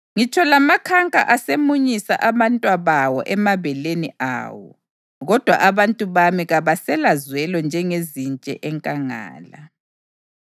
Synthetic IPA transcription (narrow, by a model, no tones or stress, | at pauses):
ŋit͡ʃʰɔlamakʰaŋkʼa̰ʔasemuɲisa̰ʔaβantʼwaβawɔ̰ʔɛmaβɛlenia̰wɔ̰ | ɣɔd̥ʱwa̰ʔaβantʼuβamiɣaβasɛlazwɛlɔnd͡ʒʱɛŋezint͡ʃʼɛ̰ʔɛŋkʼaŋa̰ːla